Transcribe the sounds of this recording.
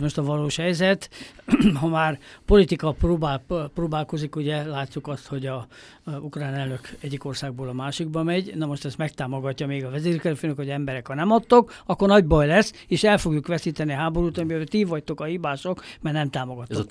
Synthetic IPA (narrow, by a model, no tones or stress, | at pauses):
moʃt̪ɒvɒloːʃhɛjzɛt̪ | ɦɒmaːrpo̞lit̪ikɒproːbaproːbaːlko̞zikuɟɛlaːtʲːukɒst̪ho̞ɟɒ | ukraːnɛlnø̞kɛɟːiko̞rsaːɡ̚boːlɒmaːʃiɡbɒmɛɟnɒmo̞ʃt̪ɛsmɛkt̪aːmo̞ɡɒcːɒmeːɡɒvɛzeːrkɛløføːnøkhoɟɛmbɛɾɛkhɒnɛmɒt̪ːok | ɒkːornɒɟbɒjlɛsː | eːʃɛlfo̞ɡjukʋɛsiːt̪ɛniɦaːbo̞ɾuːt̪oøt̪ivɒct̪o̞kɒhibaːʃokmɛrnɛmt̪aːmo̞ɡɒt̪ːo